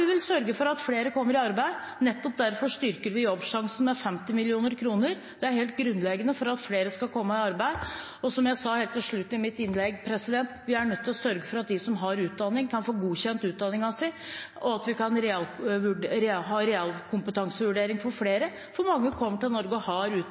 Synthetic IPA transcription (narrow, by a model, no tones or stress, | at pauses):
ɪʋɪlsœɾɡəfɔɾɑt̪fleːɾəkʰɔmːəɾɪɑɾbæɪnɛt̪ːɔp̚d̪æɾfɔʂt̪ʏɾkəɾʋɪjɔbːʂɑŋsn̩mɛfɛmt̪ɪmɪlɪuːnəɾkʰɾuːnəɾ | d̪̥ɛæɾheːlt̪̚ɡɾʉnːlɛɡənəfɔɾɑt̪fleːɾəskɑlkʰɔmːəɪɑɾbæɪ | ɔsɔmjæɪsɑheːlt̪ɪlʂɭʉt̪ːɪmɪt̪ːɪnːlɛɡpʰɾɛsɪd̪ɛnt̪ʋɪæɳœt̪ʰːɪlɔsœɾɡəfɔɾɑt̪̚d̪ɪsɔmɦɑɾʉːt̪̚d̪ɑnːɪŋkʰɑnfoːɡuːçɛnt̪ʉːt̪̚d̪ɑnːɪŋɑsɛʔɔɑt̪ʋɪkɑnɾɛɑlʋʉɾɛɦɑːɾɛɑlkʰʊmpət̪ʰɑŋsəʋʉɖeːɾɪŋfɔɾfleːɾə | fɔɾmɑŋːəkʰɔmːəʈɪlnɔɾɡəhɑɾʉː